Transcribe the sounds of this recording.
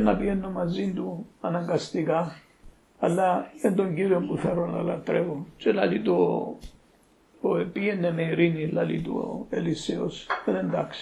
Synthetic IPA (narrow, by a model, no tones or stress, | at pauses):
na̰bienːomazind̪uanaŋɡast̪iɡa | alːaend̪oŋɡiɾombuθeɾona̰la̰t̪ɾevot͡ʃelalid̪o | oepienːemeiɾinilalḭt̪ṵeliseo̰senend̪aks